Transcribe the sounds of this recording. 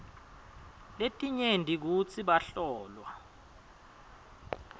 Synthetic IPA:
letʼiɲendʱik̬ut͡sʰiɓaɬɔːlwa

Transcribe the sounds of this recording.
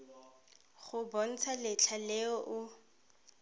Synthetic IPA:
χʊbɔn̩t͡sʰalɪt͡ɬʰalɪɔʔʊ

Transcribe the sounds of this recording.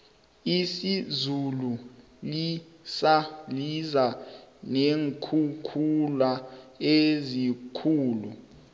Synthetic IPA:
isizulu | li | salizaneŋkʰukʰulaezikʰuːlu

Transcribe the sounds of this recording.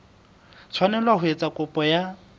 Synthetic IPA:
t͡sʰwanɛlwaɦʊet͡sʼakʼʊpʼɔja

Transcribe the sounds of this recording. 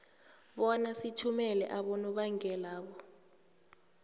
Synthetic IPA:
ɓɔnasitʰumɛlɛ̰ʔaɓɔnɔɓaŋɛlaːɓɔ

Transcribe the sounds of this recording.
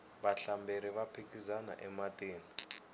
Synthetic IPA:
βaɬambʱeɾiβapʰekʼizana̰ʔɛmatʼeːni

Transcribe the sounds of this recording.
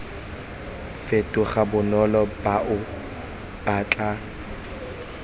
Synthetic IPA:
fetʼʊχabʊnɔlɔbaʔʊ | b̥at͡ɬʼa

